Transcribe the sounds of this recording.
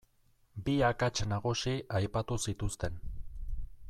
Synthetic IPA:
biakat͡ʃnaɣusiʔajpat̪usit̪ust̪e̞n

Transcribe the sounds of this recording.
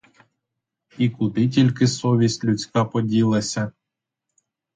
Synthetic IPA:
ikʊd̪ɪt̬ʲilʲkɪsɔʋʲisʲtʲlʲʊt͡sʲkɑpɔdʲilˠɐsʲɐ

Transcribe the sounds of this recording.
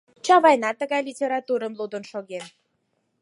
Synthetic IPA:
t͡ɕɑβɑjnɑt̪ːəɣɑjlʲitʲeɾɑt̪uɾəmlˠud̪ə̆nʃoɣem

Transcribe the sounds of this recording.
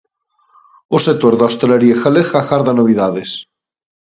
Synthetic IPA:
osek̚t̪oɾðost̪eleɾiexalexaxaɾðanoβ̞iðaðes

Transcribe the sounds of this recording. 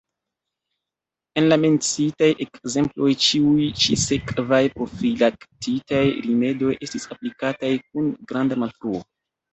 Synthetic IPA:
e̞nlame̞nt͡sitajʔe̞kze̞mplo̞jt͡ʃiujt͡ʃisekvajpofɾilaktitajɾime̞do̞jʔe̞stisaplikatajk̚unɡɾandamalfɾuo

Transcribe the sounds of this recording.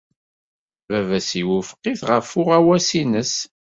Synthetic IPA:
vævæsiwəfqːiθʁəfʊʁæwæsinəs

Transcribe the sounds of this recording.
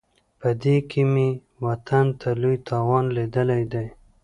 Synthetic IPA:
pəd̪ekʰɪme | wat̪ʰant̪ʰalujt̪ʰɑwɑnled̪əlajd̪aj

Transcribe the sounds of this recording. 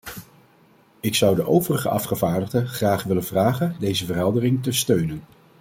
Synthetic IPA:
ɪksʌwdəʔowvərəχə̰ʔɑ̰fχəvaːɹdəʁdəχraːχʋɪlənvraːχəndejzəvərɦɛlˠdərɪŋtəstøɥnən

